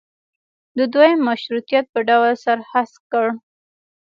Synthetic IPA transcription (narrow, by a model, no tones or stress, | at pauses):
d̪əd̪wojamːaʃɾut̪ijat̪̚pəɖawlsaɾhaskəɽ